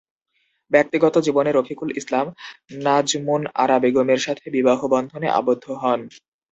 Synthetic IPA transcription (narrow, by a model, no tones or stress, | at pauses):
bɛk̚t̪iɡɔt̪od͡ʑiboneɾokʰikulislamnad͡ʑmuna̰ɾabeɡomeɾʃat̪ʰebibaɦobɔnd̪ʱoneʔa̰bod̪ʱːoɦɔn